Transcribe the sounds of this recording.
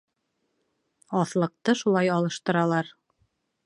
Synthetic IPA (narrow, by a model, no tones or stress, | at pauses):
ɑθlˠɤ̆q̚t̪ɤʃulˠɑjɑlˠɤ̆ʃt̪ɤ̆ɾɑlˠɑɾ